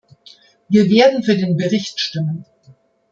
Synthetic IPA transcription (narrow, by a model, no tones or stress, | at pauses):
viːɐveːɐdn̩fyːɐdeːnbəʁɪçtʃtɪmən